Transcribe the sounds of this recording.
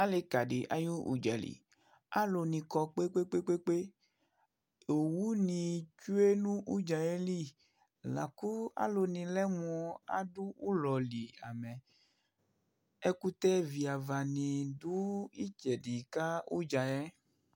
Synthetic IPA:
a˦le˨ka˨ɖe˨ʔa̰˦ju˦ṵ˨d͡ʒa̰˨lḭ˨ | a˦lo˨nĩ˨kɔ˨k͡pe˦k͡pe˦k͡pe˦k͡pe˦k͡pe˦ | o˨wu˦nĩ˨t͡ʃu˦e˦nũ˦ʔu˦d͡ʒa˨jɛ˦li˦˨ | la̰˨ku˦a̰˦lo˨nĩ˨lɛ˦m˨ɔ˨a̰˦ɖu˦u˦lɔ˨li˨a˨mɛ̃˨ | e˦ku˦t̪ɛ˦vi˨a˨va˨nĩ˨du˦i˦t͡ʃɛ˨ɖi˨ka˦ṵ˦d͡ʒa˨jɛ˦

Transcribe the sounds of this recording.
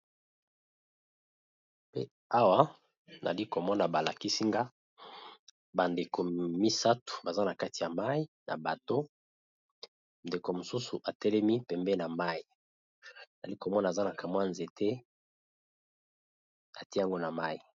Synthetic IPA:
pe˦ | a˦wa˦ | na̰˨li˦ko˨mɔ˦na˨ba˨la̰˨ki˦si˦ŋɡa˦ | ba˨nde˨ko˨mi˦sa˦tu̥˨ba˨za˦na˨ka˦ti˨ja˨ma˦i˦na̰˨ba˨to˦ | nde˨ko˨mo˨su˦su˨ʔa˨tɛ˦lɛ˦mi˦pɛ˨mbɛ˦na˨ma˦i˨ | na˨a˨li˦ko˨mɔ˦na˨za˦na˨ka˨mwa˦nze˨tʰɛ˦ | a˨ti˦a˦ŋɡo˦na˨ma˦i˨

